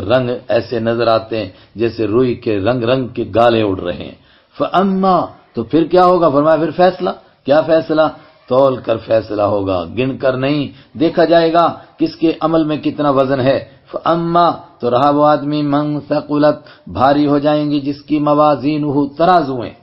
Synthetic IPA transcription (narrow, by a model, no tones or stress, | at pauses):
ɾɐ̃ŋɡɛːsenɐzəɾaːt̪eɦɛ̃ | d͡ʒɛːseɾoːikeɾɐ̃ŋɡɾɐ̃ŋɡkeɡaːlẽʊʈʰɾɐ̰ɦḛ̃ɦɛ̰̃ː | fɐʔɐmːaːt̪opʰɪɾkjaːɦoːɡaːfɐɾmaːjapʰɪɾfɛːsla | kjaːfɛːsla | t̪ɔːlkɐɾfɛːslaɦoːɡa̰ːɡɪnkɐɾnɐɦĩ | d̪eːkʰad͡ʒaːeːɡaːkɪskeʔɐməlmẽkɪt̪naʋɐzənɦɛː | fɐʔɐmːaːt̪oɾɐɦaboaːd̪mimɐ̃nθɐqʊlət̪̚bʱaːɾiɦod͡ʒaːẽːɡid͡ʒɪskimɐʋaːziːnɦut̪ɐɾaːzuḛ̃ː